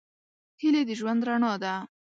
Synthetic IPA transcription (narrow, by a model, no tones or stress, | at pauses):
hɪled̪əʒwand̪ɾaɳɑd̪a